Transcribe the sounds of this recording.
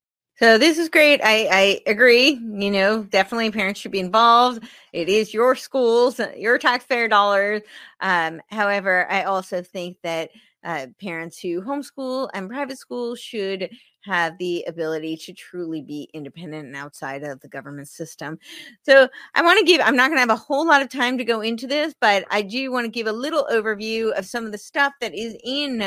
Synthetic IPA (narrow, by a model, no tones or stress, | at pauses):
soʊðɪsɨzɡɹeɪɾaɪaɪɨɡɹijɨnoʊdɛfənətˡlipʰɛɹɨ̃ntsʃɨd̚biɨ̃ɱvɑlˠvd | ɪɾɪzjə˞skulˠzjə˞tʰɑksfɛɹdɔlˠə˞z̥ʔʌ̃haʊɛvə˞ʔaɪʔɔlˠsoʊθɪ̃ŋk̚ðɨt̚ | ʔʌpʰɛɹɨ̃ntshʉɦõʊ̃mskulˠɨ̰̃npʰɹ̥aɪvɨtskulˠʃɨd | ɨvðiɨbɪlˠəɾiɾɨtʰɹ̥ulˠibiʔɪ̃ndɨpʰɛ̃ndɨ̃ntɨ̃naʊtsaɪɾʌvðɨɡʌvə˞mɨ̃ntsɪstɨ̃msoʊʔaɪwɑ̃ñɨɡɪvãɪ̃mnət̚ɡ̥ʌñɨːvəhoʊlɔɾʌv̥tʰãɪ̃mtɨɡoʊɪ̃ntʉðɪsb̥ʌɾa̰ɪdɨwɑ̃nɨɡɪvəlɪɾl̩ˠʔoʊvə˞vjʉʌv̥sʌ̃mʌvðɨstʌfðɨɾɪzɪ̃n